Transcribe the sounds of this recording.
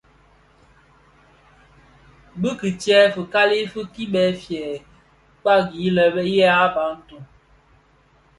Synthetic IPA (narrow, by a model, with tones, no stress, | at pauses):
bɨ˦ki˨tjɛ˦fə˨ka˦li˦fɨ˦ki˦ɓɛ˨˦fjɛ˨ | k͡pa˦ɡi˨˦lɛ˨bɛ˦jɛ˦a˦ba˨˦n̩˦tu˨